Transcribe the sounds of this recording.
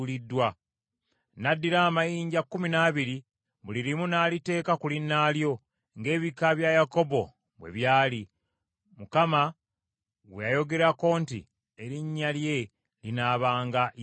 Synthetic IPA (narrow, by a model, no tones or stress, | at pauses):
lidːwa | nadːiɾaːmajiːɲɟakːuminaːβiɾi | βuliɾimunaːlite̞ːkakulinːaːljo̞ | ŋɡe̞ːβikaβjajako̞bo̞ | βwḛβjaːli | mukama | ɡwejajo̞ɡe̞ɾako̞ːntḭ | eɾiɲːalje̞ | linaːβaːŋɡa